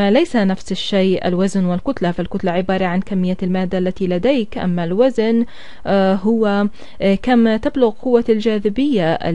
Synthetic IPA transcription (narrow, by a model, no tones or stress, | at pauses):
alajsanafsɪʃːejʔa̰lwaznwɪlkʊt̪lafalkʊt̪laʕɪbɑːɾˤɑʕankamːɪjːalmaːd̪ːaʔlːat̪ilad̪ejkʔa̰mːalwazn | ɦʊwa | kamt̪ɪblʊɣqʊwːald͡ʒaːðɪbɪjːaʔ